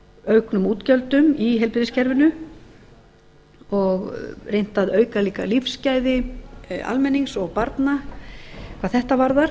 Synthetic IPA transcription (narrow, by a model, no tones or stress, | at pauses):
œɥknʏmuːt̪cœlt̪ʏmiɦɛlpɪðɪscʰɛɾvɪnʏ | ɔɣrejn̥t̪aðœːɥkaliːka̰lifscaːjðɪ | a̰lmɛnːiŋsɔɣpaɾt̪na | kʰvaðθɛht̪avaɾðaɾ̥